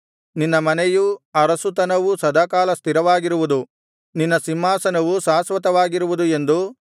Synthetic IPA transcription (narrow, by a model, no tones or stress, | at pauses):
ninːɐmɐnɛjuɐɾɐsut̪ɐnɐʋusɐd̪aːkaːlɐst̪iɾɐʋaːɡiɾuʋud̪u | ninːɐsimːaːsɐnɐʋusaːsʋɐt̪ɐʋaːɡiɾuʋud̪ue̞nd̪u